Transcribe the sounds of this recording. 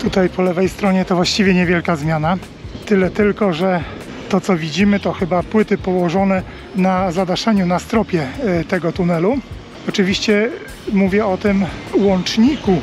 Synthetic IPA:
t̪ut̪ajpɔlɛvɛjst̪ɾɔɲɛt̪ɔvwaɕt͡ɕivʲjɛɲɛvʲjɛlkazmʲjana | t̪ɘlɛt̪ɘlkɔʐɛ | t̪ɔt̪sɔvʲid͡ʑimɘt̪ɔxɘbapwɘt̪ɘpɔwɔʐɔnɛ | nazad̪aʂaɲunast̪ɾɔpʲjɛt̪ɛɡɔt̪unɛlu | ɔt͡ʂɘvʲiɕt͡ɕɛ | muvʲjɛɔt̪ɘmwɔnt͡ʂɲiku

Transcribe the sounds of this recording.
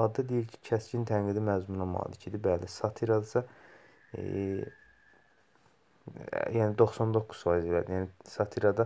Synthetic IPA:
ɑd̪ɑd̪ejiɾcʰi̥cʰæscint̪ʰæŋɡid̪imæzmunɑmɑ̰ːlicʰid̪ibælisɑt̪ʰiɾɑd̪sɑ | jænid̪oχsɑnd̪o̞kʰːu̥z̥fɑːjizilæ̰d̪ijæːnisɑt̪ʰiɾɑd̪ɑ

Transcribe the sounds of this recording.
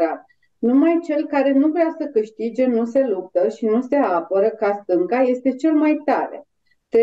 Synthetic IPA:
at̪ | numajt͡ʃe̞lkaɾe̞nuvɾeasəkɨʃt̪id͡ʒe̞nuse̞lup̚t̪əʃinuse̞apəɾəkast̪ɨŋkaje̞st̪e̞t͡ʃe̞lmajt̪aɾe̞̰ | t̪

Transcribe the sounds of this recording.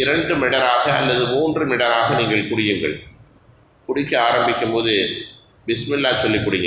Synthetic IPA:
ɪɾɐɳɖɯmɪɽɐɾaːɣɐʔɐ̰lːɐðɯmuːndrɯmɪɽɐɾaːɣɐniːŋɡɐɭkʊɽɪjɯŋɡɐ̰ɭ | kʊɽɪkːɐaːɾɐmbɪkʲːɯmpoːðɯ | bɪsmɪlːaːsɔlːɪkːʊɽɪjɯ

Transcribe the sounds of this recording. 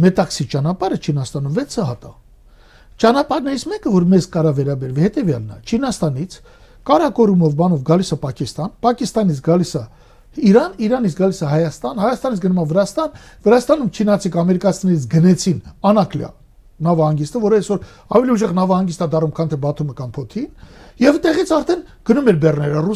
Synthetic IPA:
mɛt̪ɑksit͡ʃɑnɑpɑɾət͡ʃʰinɑst̪ɑnumvɛt͡sʰəɦɑt̪ɑ̰ | t͡ʃɑnɑpɑɾnɛɾit͡sʰmɛkəvɔɾmɛzkɑɾɑvɛɾɑbɛɾvihɛt̪ɛvjɑ̰lnɑ̰t͡ʃʰinɑst̪ɑnit͡sʰ | kɑɾɑkɔɾumɔvbɑnɔvɡɑlisɑpɑkist̪ɑnpɑkist̪ɑnit͡sʰɡɑlisɑ | iɾɑniɾɑnit͡sʰɡɑlisɑɦɑjɑst̪ɑnhɑjɑst̪ɑnit͡sʰɡənumɑvəɾɑst̪ɑnvəɾɑst̪ɑnumt͡ʃʰinɑt͡sʰikɑmɛɾikɑt͡sʰinɛɾit͡sʰɡənɛt͡sʰinɑnɑkljɑ̰ | nɑvɑhɑŋɡist̪əvɔɾəɛsvɔɾ | ɑvɛliuʒɛʁnɑvɑhɑŋɡist̪ɑd̪ɑrumkʰɑnt̪ʰɛbɑt̪ʰuməkɑmpʰɔt̪ʰinjɛvt̪ɛʁit͡sʰɑɾt̪ʰɛn | ɡ̥ənumɛɾbɛrnɛɾəru

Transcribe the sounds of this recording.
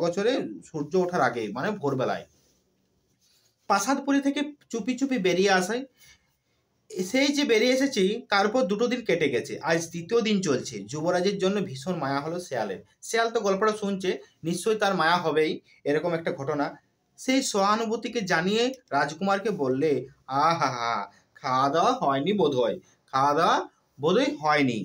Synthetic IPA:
ɡɔt͡ɕʰoɾeʃuɾd͡ʑooʈʰaɾaɡejmanebʱoɾbɛla̰e | paʃad̪puɾit̪ʰeket͡ɕupit͡ɕupibeɾieaʃaj | ʃejd͡ʑebeɾieʃet͡ɕʰit̪aɾpɔɾd̪uʈod̪inkeʈeɡɛt͡ɕʰḛʔad͡ʑd̪it̪iod̪int͡ɕolt͡ɕʰḛd͡ʑuboɾad͡ʑeɾd͡ʑonːobʱiʃoɾmaeaɦolosea̰lḛɾ | sealt̪oɡɔlpoʈaʃunt͡ɕeniʃt͡ɕojt̪aɾmajaɦɔbej | eɾɔkomɛk̚ʈaɡʱɔʈona | ʃejsoɦanubot̪iked͡ʑanijeɾad͡ʑkumaɾkebolːeaɦaɦa̰ | kʰad̪aɦɔenibod̪ʱoj | kʰad̪a | bod̪ʱojɦɔenḭ

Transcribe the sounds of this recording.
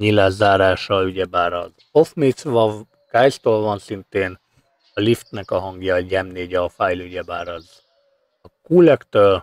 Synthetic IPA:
ɲilaːzaːɾaːʃɒyɟɛbaːɾɒ̰z | ofmit̪svɒv | kajst̪oːlvɒnsint̪eːn | ɒlift̪nɛkɒɦɒŋɡjɒɟɛmneːɟɛːfaːjlyɟɛbaːɾɒz | ɒkuːlɛkt̪øːl

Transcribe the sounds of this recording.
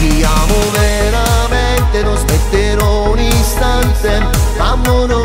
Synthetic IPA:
iaːmove | ɾament̪enozmet̪ːeɾɔ | uninst̪ant̪e | amːono

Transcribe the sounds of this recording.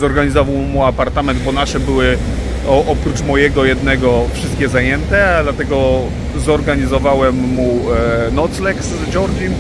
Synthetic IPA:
zɔɾɡaɲizɔvawmuapaɾt̪amɛnd̪bɔnaʂɛbɘwɘ | ɔʔɔpɾut͡ʂmɔjɛɡɔjɛd̪nɛɡɔfʂɘst̪kʲɛzajɛnt̪ɛd̪lat̪ɛɡɔ | zɔɾɡaɲizɔvawɛmːunɔt̪slɛkszd͡ʑɔɾd͡ʑim

